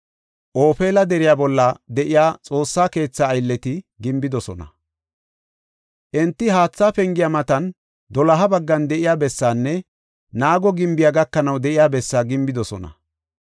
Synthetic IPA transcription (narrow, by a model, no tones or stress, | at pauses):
ʔo̞ːpe̞ːlɐd̪ɛɾɪjaːbɔlːɐd̪ɛʔɪjaːt͡sʼo̞ːsːaːke̞ːt͡sːɐːjlːɛt̪ɪɡɪmbɪd̪ɔsɔnɐ̰ | ʔɛnt̪ːɪɦaːt͡sːaːpɛŋɡɪjamɐt̪ɐn | d̪ɔlɐɦɐbɐɡːɐnd̪ɛʔɪjaːbɛsːaːnːɛ | naːɡɔɡɪmbɪjaɡɐkːɐnɐwd̪ɛʔɪjaːbɛsːaːɡɪmbɪd̪ɔsɔ̰nɐ̰